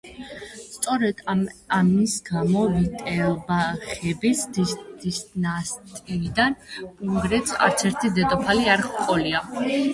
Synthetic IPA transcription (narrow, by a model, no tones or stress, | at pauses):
st̪sʼɔɾɛd̪̥amisɡamɔvit̪ʼɛlbaχɛbisd̪id̪̥isnast̪ʼiid̪anpʼuŋɡɾɛt̪sʰa̰ɾt̪sʰɛɾt̪ʰid̪ɛd̪ʼɔpʰaliaɾχqʼɔlia